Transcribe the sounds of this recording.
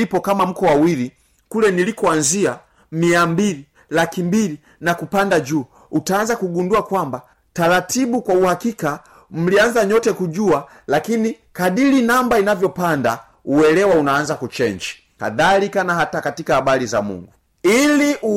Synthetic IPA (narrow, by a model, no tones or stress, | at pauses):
ipɔkamam̩kɔwawili | kulɛnilikɔanzia | miambili | lakimbili | nakupandad͡ʒuː | utaːnzakuɡunduakwamba | taɾatiɓukwauhakika | m̩lianzaɲɔtɛkuʄua | lakini | kaɗilinambainavjɔpanda | uwɛlɛwaunaːnzakut͡ʃɛɲd͡ʒi̥ | ka̰ðalikanaɦatakatikahaɓaliza̰mṵŋɡu | iliʔ